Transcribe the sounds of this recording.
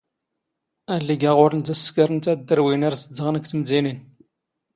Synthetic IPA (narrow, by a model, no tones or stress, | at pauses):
ælːiɡæʁʊɾənt̪æsːkəɾənt̪æd̪ːəɾwinæɾsəd̪ːəʁnkt̪əmzinin